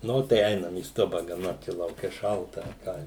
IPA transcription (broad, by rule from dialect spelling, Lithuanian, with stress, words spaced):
ˈnʊ tɐɪ ˈɛɪnɐm iː ˈstʊbɐ ɡɐˈnɐ t͡ʃʲɛ lˠɐʊˈkʲɛ ˈʃɐlˠtɐ ɐ ˈkɑː